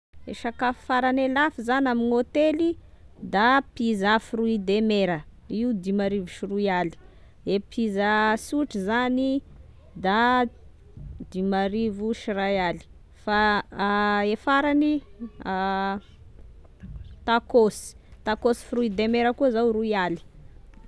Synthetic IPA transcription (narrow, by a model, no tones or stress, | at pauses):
ḛʃakafi̥faɾanelafizanaminot̪elid̪apizafruid̪emeɾə | iud̪imaɾivuʃiruiali̥ | epʰizasuʈ͡ʂizani | d̪a | d̪imaɾivuʃirajali̥ | fa | efaɾani | t̪akosi̥ | t̪akosi̥fruid̪emeɾəkuəzawruiali̥